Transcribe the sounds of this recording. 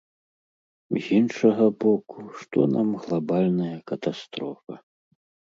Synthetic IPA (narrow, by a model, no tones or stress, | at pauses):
zʲinʂɐɣɐbɔkuʂt̪ɔ̰nʔa̰mɣlˠabalʲnɐjɐkɐt̪ast̪ɾɔfɐ̰